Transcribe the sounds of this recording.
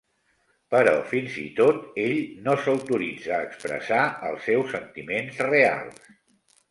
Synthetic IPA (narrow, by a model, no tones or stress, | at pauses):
pəɾɔ̰finzḭt̪ot̪eʎnosəwt̪uɾid͡zəːkspɾə̰saə̰lˠsɛwsːənt̪imenzrea̰lˠs